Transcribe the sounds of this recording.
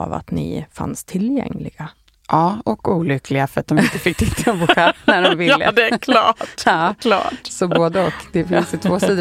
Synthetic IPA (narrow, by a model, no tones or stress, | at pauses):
ɑ̰va̰t̪nɪ̰fa̰nst̪ʰɪljɛ̰ŋːlɪɡ̥a | ʔɑːɔkuːlʏkːlɪɡafœɾat̪̚d̪ɔmɪnt̪ːəfɪk̚ːt̪ʰɪt̪ʰːɔbʊkʰanæɾɔmvɪə̰d̪ɛlɑːɑːlɑ̰ːsɔboːd̪əɔkd̪ɛfɪnsjʉt̪ʰvoːsiːd̪